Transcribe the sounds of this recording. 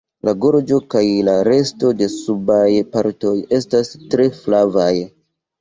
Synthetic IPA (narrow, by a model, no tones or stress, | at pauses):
laɡo̞ɾd͡ʒo̞kajlaɾe̞sto̞de̞subajpaɾto̞je̞stastɾe̞flavaj